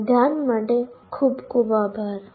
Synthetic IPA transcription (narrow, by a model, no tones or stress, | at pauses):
d̪ʱjaːnməɖekʰuːbkubabʱaɾ